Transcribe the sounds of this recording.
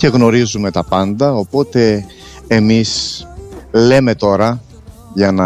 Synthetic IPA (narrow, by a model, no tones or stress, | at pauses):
ce̞ɣno̞ɾizume̞t̪ɐpɐnd̪ɐo̞po̞t̪e̞ː | mis | leme̞t̪o̞ɾɐ | ʝɐnɐ